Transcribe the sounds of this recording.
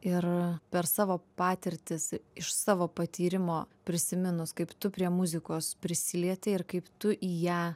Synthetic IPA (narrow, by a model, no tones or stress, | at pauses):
ɪrpʲɛɾsɑːʋoːpɑːt̪ʲɪɾʲt̪ʲɪsɪʃsɑːʋoːpɐt̪ʲiːɾʲɪmoːpʲɾʲɪsʲɪmʲɪnʊskɐɪpt̪ʊpʲɾʲiɛmʊzʲɪkoːspʲɾʲɪsʲɪlʲiɛt̪ʲɪɪɾkɐɪpt̪ʊʔiːjæː